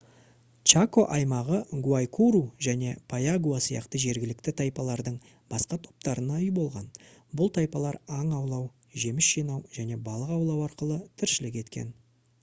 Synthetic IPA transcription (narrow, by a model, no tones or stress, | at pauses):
t͡ʃako̞ʔɑjmɑʁəɡuajkʰuɾuʒæne̞pʰajaɡuasəjɑ̰qt̪əʒe̞ɾɡʲɪlɪkt̪ɪt̪ʰɑjpɑlˠɑɾd̪əɴ | b̥ɑsqɑt̪ʰo̞p̚t̪ɑɾənɑʏjbo̞lˠʁɑnbʊlˠt̪ʰɑjpɑlˠɑɾɑɴɑwlˠɑw | ʒe̞mɪsʒijnɑwʒæne̞bɑlˠəqɑwlˠɑwɑɾqəlˠət̪ʰɪɾʃɪlɪkʲe̞t̪kʲe̞̰n